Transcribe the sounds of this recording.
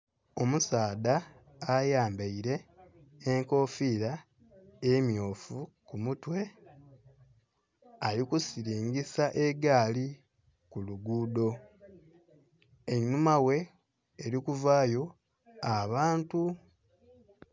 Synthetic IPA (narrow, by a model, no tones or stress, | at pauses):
o̞musaːdaː | jaːmbeiɾe̞ː | ŋko̞ːfiːɾa | emjo̞ːfukumutwe̞ | aɾikusiɾiːŋɡisaʔe̞ɡaːli | kuluɡuːdo̞ | eɲnumawe̞ː | ɾikuvaːjo̞ | aβaːntu